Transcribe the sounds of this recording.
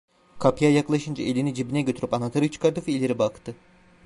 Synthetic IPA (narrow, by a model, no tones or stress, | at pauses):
kʰapjajaklˠaʃɯnd͡ʒa̰ʔe̞lʲinid͡ʒibinɛɟøt̪ʰyɾy̥panat̪ʰaɾɯt͡ʃʰɯ̥kʰaɾd̪ɯfiilʲeɾibakt̪ʰɯ